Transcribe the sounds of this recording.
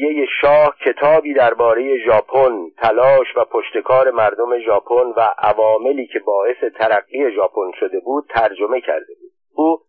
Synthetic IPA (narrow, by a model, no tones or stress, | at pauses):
jeje̞ʃɒːhcʰe̞t̪ʰɒːbiːd̪æɾbɒːɾe̞je̞ʒɒːpʰont̪ʰælɒːʃvæpʰoʃt̪e̞kʰɒːɾe̞mæɾd̪o̞me̞ʒɒːpʰonvæʔævɒːme̞liːcʰe̞bɒːe̞se̞t̪ʰæɾæɣːiːe̞ʒɒːpʰo̞nʃo̞d̪e̞buːd̪̥̚t̪ʰæɾd͡ʒo̞me̞cʰæ̰ɾd̪e̞buːd̥̪ | uː